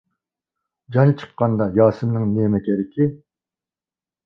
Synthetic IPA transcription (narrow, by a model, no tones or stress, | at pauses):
d͡ʒɑnt͡ʃʰə̥qːɑnd̪ɑjɑːsɨmnɨŋnemɛkʲʰɛɾɪkʲʰi